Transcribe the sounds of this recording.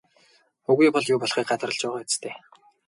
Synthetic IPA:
ɵɣujpɔɮjuːpɔɮχiːk̚ɢat̪ʰərə̆ɮt͡ɕpæːʁaːt͡st̪ʰeː

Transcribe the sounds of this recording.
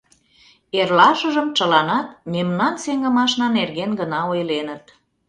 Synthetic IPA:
erlɑʃə̆ʒəmt͡ʃəlɑnɑt̪̚memnɑnseŋɡə̆mɑʃnɑnerɣenɡənɑojlenət̪

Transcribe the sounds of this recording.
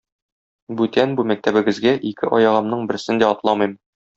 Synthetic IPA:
bʉt̪ænbumæk̚t̪æbɘ̆ɡɘ̆zɡæʔikɘʔɒjɑʁɤ̆mnɤɴbɘ̆ɾsɘnd̪æɒt̪lˠɑmɤjm

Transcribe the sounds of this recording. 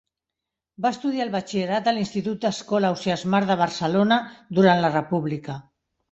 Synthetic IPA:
baəst̪uð̞iaːlβat͡ʃieɾat̪̚əlinst̪it̪ut̪̚d̪əskɔlawsiazmaɾðəβəɾsəlonad̪uɾanlərəpuβlikə

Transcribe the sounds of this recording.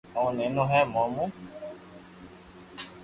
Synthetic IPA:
ɔ̃nẽnũɦɛ̃mɔ̃mũ

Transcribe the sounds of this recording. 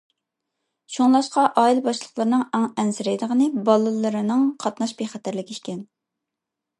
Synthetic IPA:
ʃuŋlˠɑʃqɑʔɑːilbɑʃlˠəχlˠəɾnɨŋæŋɛnsɪɾɛjd̪əʁənɨbɑlˠɨlˠɨɾɨnɨŋqʰɑt̪nɑʃbeχɛt̪ʰæɾlɪkʲiʃkʲɛn

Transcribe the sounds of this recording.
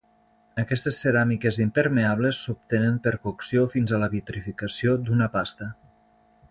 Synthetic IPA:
əkɛst̪esːeɾamikezimpeɾmeaβlesːup̚t̪enempeɾkoksiofinzələβit̪ɾifikəsiod̪unəpast̪ə

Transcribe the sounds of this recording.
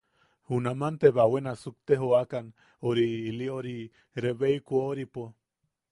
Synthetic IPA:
hunamant̪eβawenasuk̚t̪eɦoakan | oɾiːlioɾi | ɾeβeikuoɾipo

